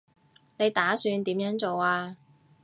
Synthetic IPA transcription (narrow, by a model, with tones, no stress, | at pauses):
ne˨˧jt̪aː˨˥syː˧nt̪iː˨˥mjœː˨˧˥ŋt͡so˨waː˧